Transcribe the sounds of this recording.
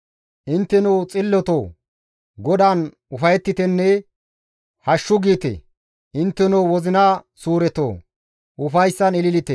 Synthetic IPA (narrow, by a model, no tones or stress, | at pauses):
ʔɪnt̪ːɛnut͡sʼɪlːɔt̪oː | ɡɔd̪aːn | ʊfɐjɛt̪ːɪt̪ɛnːɛ | hɐʃːʊɡiːt̪ɛ̰ | ʔɪnt̪ːɛnuwɔzɪnɐsuːɾɛt̪o̰ː | ʔʊfɐjsːɐnɪlɪlɪt̪ɛ